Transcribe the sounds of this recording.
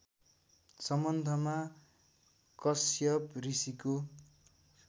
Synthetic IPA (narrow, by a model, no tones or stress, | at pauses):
sʌmʌnd̪ʱʌma | kʌsjʌprisiko